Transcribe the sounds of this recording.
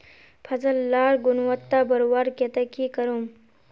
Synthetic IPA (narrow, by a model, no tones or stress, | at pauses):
pʰɐzɐlːaːɾɡunwɐt̪ːabɐɾwaːɾket̪ɐkikɐɾom